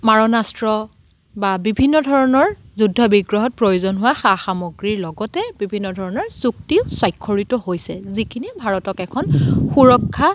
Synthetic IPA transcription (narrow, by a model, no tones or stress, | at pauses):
maɹɔnastɹɔ | babibʱinːɔdʱɔɹɔnɔɹ | zudʱːɔbiɡɹɔɦɔt̚pɹojuzɔnɦʊwaxaxamoɡɹiɹlɔɡɔtɛbibʱinːɔdʱɔɹɔnɔɹsuk̚tiʊswajkʰːɔɹitɔɦojsɛzikʰinibʱaɹɔtɔkɛkʰɔnxuɹɔkʰːa